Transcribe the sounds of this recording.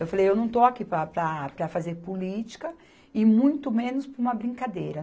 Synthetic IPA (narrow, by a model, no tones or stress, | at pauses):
ewfalejewnɐ̃w̃t̪oakipɾɐpɾɐpɾɐfazeɾpulit͡ʃi̥kɐ | ɪmũj̃t̪ʊmẽnʊspũmɐbɾĩkad̪ejɾɐ